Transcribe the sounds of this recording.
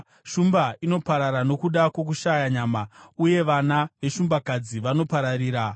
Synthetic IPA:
ʃumbaino̞paɾaɾano̞kuɗakwo̞k̬uʃajaɲaːmauje̞ʋanaʋe̞ʃumbakad͡ziʋano̞paɾaɾiːɾa

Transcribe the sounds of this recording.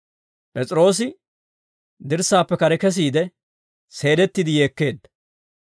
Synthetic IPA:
pʼɛt͡sʼɪɾo̞ːs̬ɪ | d̪ɪɾsːaːpːɛkɐɾɛkɛs̬iːd̪ɛ | se̞ːd̪ɛt̪ːɪd̪ɪje̞ːkːe̞ːd̪ːɐ

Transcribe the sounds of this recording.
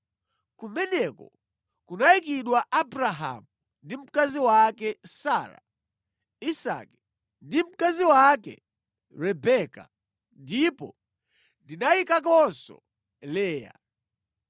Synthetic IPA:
kumɛnɛkɔ | kunaikiɗwaʔabɾaɦa̰mu | ndim̩kaziwakɛsaɾa̰ | isa̰kɛ̥ | ndim̩kaziwakɛ̰ | ɾɛbɛka̰ | ndipɔ̰ | ndinaikak̬ɔnsɔ̰ | lɛːja̰

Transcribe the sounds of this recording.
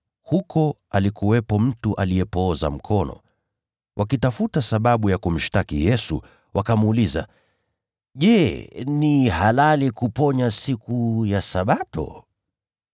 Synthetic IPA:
hukʰɔ | alikuwɛpɔm̩tuʔalijɛpɔːza̰m̩kʰɔnɔ̰ | wʔakitafutasaɓaɓujakum̩ʃtakijɛsṵ | wʔakamːliza̰ | ʄɛnihalalikupɔɲasikujasaɓatɔ̰

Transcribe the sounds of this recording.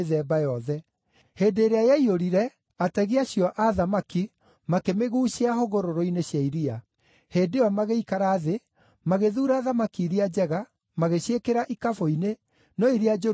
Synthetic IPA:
ðɛːbajɔðɛ | heːdeːɾeajeaioɾiɾɛ | atɛɣiaɕjɔʔaðamaki | makemeɣuːɕeaɦoɣoɾoɾoineɕjaiɾia | heːdeɔmaɣeikaɾaːðe | maɣeðuːɾaːðamakiːɾiad͡ʑɛɣa | maɣeɕekeɾaʔikafoine | nɔiɾiad͡ʒo

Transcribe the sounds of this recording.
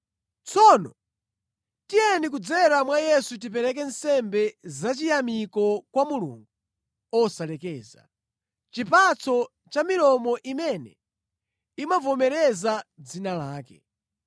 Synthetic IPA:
t͡sʰɔnɔ | tiɛnik̬ud͡zɛɾamwajɛsut̬ipɛɾɛk̬ɛnsɛmbɛzat͡ʃijamikɔkwamulṵːŋɡu | ɔsalɛkɛːza̰ | t͡ʃipat͡sʰɔ | t͡ʃamilɔmɔʔimɛnɛ̰ | imavɔmɛɾɛzad͡zinalaːkɛ̰

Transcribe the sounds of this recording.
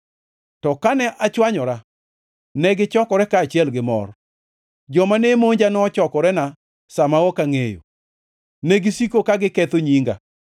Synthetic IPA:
tɔkanɛʔat͡ʃwaɲɔɾa | nɛɡɪt͡ʃɔkɔɾɛkaːt͡ʃɪɛlɡɪmɔ̰r | d͡ʒɔmanemoɲd͡ʒanɔt͡ʃɔkɔɾɛna | samaɔkaŋejo̰ | neɡɪsikokaɡɪkɛt̪oɲiŋɡa̰

